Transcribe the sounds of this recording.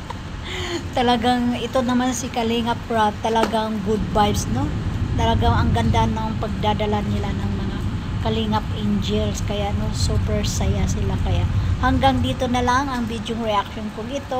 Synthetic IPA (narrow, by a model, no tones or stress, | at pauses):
t̪ɐlɐɡaŋɪt̪o̞nɐmansɪkɐliŋɐpːɹad̚t̪ːɐlɐɡaŋɡʊd̪̚bajbsno̞t̪ɐlɐɡaŋɐŋɡɐnd̪anːɐɐŋpɐɡ̚d̪ad̪ɐlanːɪlanɐŋmɐŋa | kɐliŋapʔɪnd͡ʒilskɐjaʔno̞suːpɛɹsɐjasɪlakɐjaʔhɐŋɡaŋd̪iːt̪o̞nɐlaŋɐŋvid̪joŋɹɛʔak̚ʃonkʊŋɪt̪o̞